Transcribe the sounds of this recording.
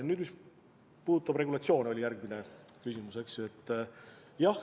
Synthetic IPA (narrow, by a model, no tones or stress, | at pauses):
nyːd̪̥mis | puːd̪ut̪ˑːɑb̥re̞ɡulɑt̪sio̞ːno̞lʲijæɾɡminekysimuse̞kse̞t̪ːˑ | jɑh